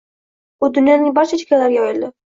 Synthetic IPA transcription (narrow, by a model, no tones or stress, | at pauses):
ʊd̪ʊnjɒnɪŋbaɾt͡ʃʰat͡ʃʰɪ̥kʲalaɾɡʲaojɪlˠd̪ɪ